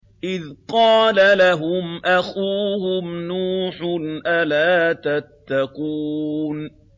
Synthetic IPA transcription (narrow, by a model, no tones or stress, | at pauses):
ʔɪðqɑːlalaɦʊmʔaxuːhʊmnuːħnʔalaːt̪at̪ːaquːn